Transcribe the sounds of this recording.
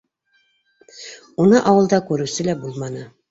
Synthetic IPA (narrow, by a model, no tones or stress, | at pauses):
unɤʔɑwɤ̆lˠd̪ɑkʉɾʉsɘlæbulˠmɑnɤ